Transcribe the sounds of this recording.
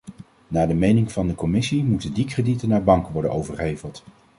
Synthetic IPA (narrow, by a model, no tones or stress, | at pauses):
naːdəmejnɪŋv̥ɑndəkɔmɪsimutəndikreditənːaːɹbɑŋkəʋɔɹdə̰nowvəɹχejvəlˠt